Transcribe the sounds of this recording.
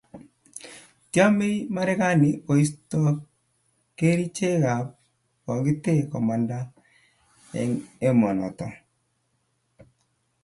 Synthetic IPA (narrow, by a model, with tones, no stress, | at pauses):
tja˦me˦ima˦ɾɛ˦ka˦nɪ˨ʔo˨i˦stɔ˦ | ke˦ɾi˦t͡ʃe˦ɣa˨p̚ | kɔ˨ɡɪ˦te˦kɔ˨ma˨nda˦ | ɛ̰˨ŋe˦mɔ˨nɔ̰˨tɔ˨